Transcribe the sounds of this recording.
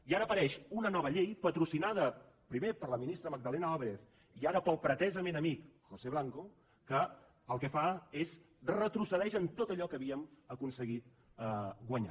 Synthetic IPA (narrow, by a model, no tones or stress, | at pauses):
iaɾəːpəɾɛʃunənɔβ̞əʎejpət̪ɾusinaðə | pɾimepəɾləminist̪ɾəməɡ̚d̪əlɛnəaβɾef | iaɾəpəlˠpɾət̪ɛzəmenəmikxoseβ̞laŋko | kə | əlˠkɛfaez | rət̪ɾusəðɛʃənt̪ot̪əʎɔkəβiəməkunsəɣit̪ | əɡwəɲa̰